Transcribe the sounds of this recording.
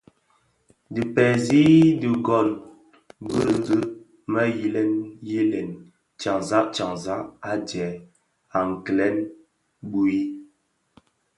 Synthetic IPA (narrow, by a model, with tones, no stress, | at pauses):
di˨pɛ˨zi˦di˨ɡɔ˨n | bə˦ŋ˨ɡɨ˦ | mə˦ji˦lɛ˦nji˦lɛ˨n | t͡ʃa˨ŋza˦ʔt͡ʃa˨ŋza˦ʔa˦d͡ʒɛ˨ | a˨ŋ˨klɛ˦n | bu˦i˦